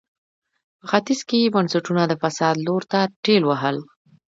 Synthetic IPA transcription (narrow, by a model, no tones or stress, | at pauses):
pəxat̪ɪzkejebansaʈunad̪əfasɑd̪loɾt̪aʈelwaɦəl